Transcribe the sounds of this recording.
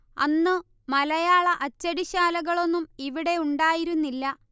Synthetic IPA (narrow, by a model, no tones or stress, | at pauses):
ɐ̰nːɨ | mɐlɐjaːɭɐʔɐt͡ɕːɐɽiɕaːlɐɣɐɭo̞nːumiʋiɽe̞uɳɖaːjiɾunːilːɐ